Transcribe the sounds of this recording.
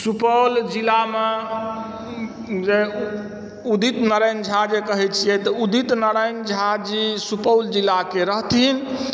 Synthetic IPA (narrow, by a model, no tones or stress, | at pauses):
supəwld͡ʒilame | d͡ʒe | ud̪it̪nəɾejnd͡ʒʱad͡ʒekəɦɛt͡ʃʰijɛt̪ɔud̪it̪nəɾəjnd͡ʒʱad͡ʒisupəwld͡ʒilakeɾəɦt̪in